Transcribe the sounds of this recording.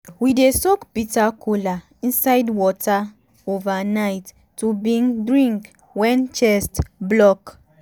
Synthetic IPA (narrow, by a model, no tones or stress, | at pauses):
widesɔkpitakʰula | ĩnsajdwɔta | ovanajtː | ubĩŋdɹĩŋk | wɛ̃nt͡ʃɛstblɔk